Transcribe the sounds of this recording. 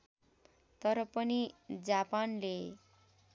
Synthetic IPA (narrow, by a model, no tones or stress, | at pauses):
t̪ʌɾʌpʌnid͡zapanle